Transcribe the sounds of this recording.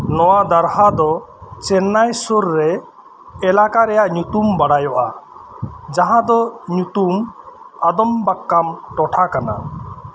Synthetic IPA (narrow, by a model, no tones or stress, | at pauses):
nɔwad̪aɾɦad̪ɔt͡ʃɛnːajsuɾːɛ | ɛlakaɾɛjaʔɲut̪umbaɽajɔʔa | d͡ʒaɦãd̪ɔɲut̪um | ad̪ɔmbakːamʈɔʈʰakana̰